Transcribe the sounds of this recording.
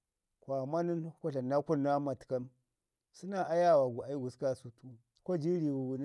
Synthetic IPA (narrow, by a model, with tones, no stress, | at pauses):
kʷo˨a˨ma˦ni˦n˦ku˦ɬa˨na˦ku˦˨nːa˦ma˨ti̥˨ka˦m | si˦na˨a˦ja˦˨wa˨ɡu˨a˨i˦ɡu˨ska˦su˦tu˦ | ko˦d͡ʒi˦ɾi˨wu˨ɡu˨n˦